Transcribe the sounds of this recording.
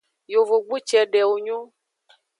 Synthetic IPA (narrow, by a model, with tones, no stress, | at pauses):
jo˨vo˨ɡ͡bu˦t͡ʃɛ˨ɖɛ˨wo˨ɲɔ̃˦